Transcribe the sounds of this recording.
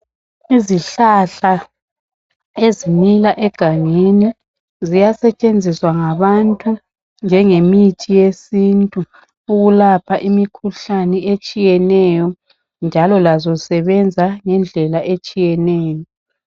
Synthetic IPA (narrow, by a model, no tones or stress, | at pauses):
iziɬaɬa | ezinilaʔɛɡ̥ʱaŋeni | zijasɛt͡ʃʼend͡zʱiswaŋaβantʼu | nd͡ʒʱɛŋemitʰijesintʼu | uɣulapʰaʔimikʰuɬanɛet͡ʃʼijɛnɛjɔ | nd͡ʒʱalɔlazɔsɛβɛnd͡zʱaŋɛnd͡ɮʱɛlaʔet͡ʃʼijɛnɛːjɔ